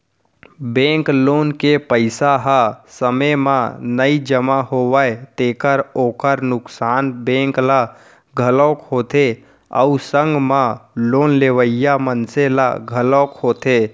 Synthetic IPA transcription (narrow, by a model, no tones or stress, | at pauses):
bẽŋkloːnkepəɪsaɦasəməmanəid͡ʒəmaɦoʋəjt̪eːkəɾoːkəɾnʊksaːnbẽːŋkla | ɡʱəlɔːkɦoːt̪e | ə̰usə̃ŋɡmaloːnleʋəjjamənsela̰ɡʱəlɔkhoːt̪e